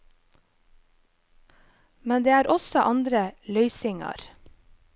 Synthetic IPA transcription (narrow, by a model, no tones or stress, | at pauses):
mɛnd̪eːæːɾʔɔsɔʔɑnd̪ɾəlœʏsɪŋɑ̰ɾ